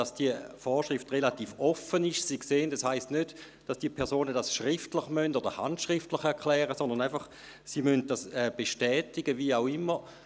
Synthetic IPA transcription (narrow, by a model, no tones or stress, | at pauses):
dɑsd̥iəfɔːʃʁɪftʁelatiːfɔfənɪʃsikseːəndɛshaɪstnød | d̥ɑsd̥iːəpʰɛɐsoːnədasʃʁɪftlɪχmœndodəha̰ntʃʁɪftlɪχɛɐkʰlɛːʁəsɔndʁnaɪfɑχ | simœnt̚d̥asɛːb̥eʃtɛːtɪɡəviːaʊɪmːə